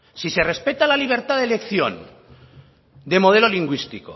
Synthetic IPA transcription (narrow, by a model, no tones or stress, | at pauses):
sise̞re̞spe̞t̪alaliβ̞e̞ɾt̪aðelekθjo̞̰n | d̪e̞mo̞ð̞e̞lo̞liŋɡwist̪iko